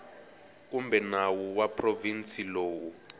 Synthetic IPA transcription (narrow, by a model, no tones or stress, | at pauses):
k̬umbɛnawuwapʰʼrovint͡sʼiloːwu